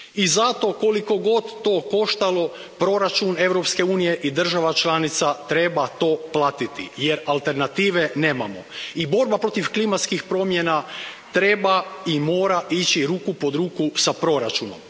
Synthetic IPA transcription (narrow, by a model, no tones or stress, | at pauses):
izat̪o̞ko̞liko̞ɡo̞d̪ːo̞ːko̞ʃt̪alˠo̞ | pɾo̞ɾat͡ʃune̞ʋɾo̞pske̞uːnije̞ʔid̪r̩ʒaʋat͡ʃlanit̪sat̪ɾe̞bat̪o̞ːplˠaːt̪it̪ḭjeɾalˠt̪e̞ɾnat̪iːʋene̞ːmamoibo̞ɾbapɾo̞t̪ifklimat̪skixpɾo̞mjena | t̪ɾe̞baimo̞ːɾaʔit͡ɕiɾuːkupo̞d̪ɾuːkusapɾo̞ɾat͡ʃuno̰m